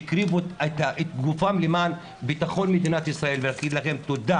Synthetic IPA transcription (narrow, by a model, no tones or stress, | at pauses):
kɾivuet̪ʔet̪̚ɡufamlemaːn | bit̪aχo̞nmed̪inat̪isʁae̞lvenakid̪laχemt̪od̪a